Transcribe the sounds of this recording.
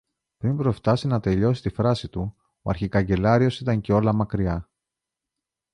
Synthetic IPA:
pɾimpɾo̞ft̪ɐsinɐt̪e̞ʎo̞si̥t̪ifɾɐsit̪u | oɐ̰ɾçikɐɲɟe̞lɐɾio̞sit̪ɐɲce̞o̞lɐmɐkɾiɐ

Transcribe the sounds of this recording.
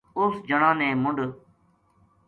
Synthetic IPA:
ʊsd͡ʒəɳãːnẽːmʊɳɖ

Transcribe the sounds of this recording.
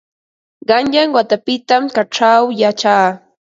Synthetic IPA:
ɢɑnʎaŋwat̪apɪt̪amkaʈ͡ʂawjat͡ʃaː

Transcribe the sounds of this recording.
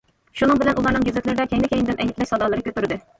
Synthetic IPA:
ʃunɨŋbɪlɛnʔulˠɑɾnɨŋɡʲezɪt̪lɪɾɪd̪ɛkʲʰɛŋlɪkʲejinɪd̪ɪnʔɛjʲɪt̪lɛʃsɑd̪ɑlˠɨɾɨkʲʰøt̪yɾɪd̪ɪ

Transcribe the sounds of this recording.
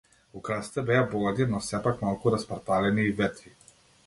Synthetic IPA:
ukɾasi̥t̪ɛbɛabɔlˠad̪inɔsɛpakmalˠkuɾaspaɾt̪alɛniːvɛt̪ɾi

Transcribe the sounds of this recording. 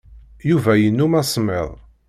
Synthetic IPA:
juvæjənːumæsˤmḛðˤ

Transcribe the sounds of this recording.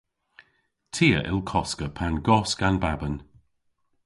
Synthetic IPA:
tʰiːəʔɪ̰lˠkʰɔskəpʰanɡɔsɡ̥anbabən

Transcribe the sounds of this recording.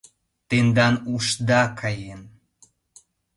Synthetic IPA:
t̪end̪ɑnuʃd̪ɑkʰɑjen

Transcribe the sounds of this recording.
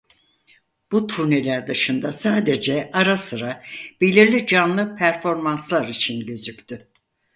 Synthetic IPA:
b̥ut̪ʰuɾne̞lʲæɾd̪ɯʃɯnd̪asaːd̪ed͡ʒɛaɾasɯɾab̥e̞lʲiɾlʲid͡ʒanlˠɯpʰæɾfo̞ɾmanslˠaɾit͡ʃʰinɟø̞zycʲt̪ʰy

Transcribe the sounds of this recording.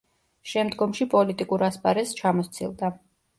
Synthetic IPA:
ʃɛmd̪ɡɔmʃipʼɔlit̪ʼikʼuɾaspʼaɾɛst͡ʃʰamɔt̪sʰḭlˠd̪a

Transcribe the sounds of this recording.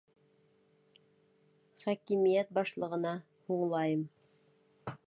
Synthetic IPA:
χækimijæt̪̚bɑʃlˠɤ̆ʁɤ̆nɑ | huɴlˠɑjɤm

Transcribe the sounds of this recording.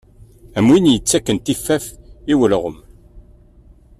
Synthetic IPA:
æmwinjət͡sːækːənt̪ifːæfiwəlʁəm

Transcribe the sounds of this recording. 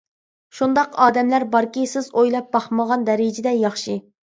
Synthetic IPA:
ʃund̪ɑqɑːd̪ɛmlæɾbɑɾkʲisɪzojlˠɑp̚bɑχməʁɑnd̪ɛɾɪd͡ʒɪd̪ɛjɑχʃɨ

